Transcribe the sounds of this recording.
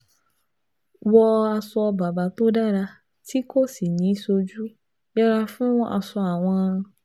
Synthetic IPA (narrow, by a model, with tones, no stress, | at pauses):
wɔ˦a˨sɔ˧ba˨ba˨t̪o˦ɖa˦ɖa˦ | t̪ʰi˦ko˦si˨nĩ˨˦so˧d͡ʒu˦ | jɛ˦ɾa˦fũ˦a̰˨sɔ˦a˨w̃ɔ̃˦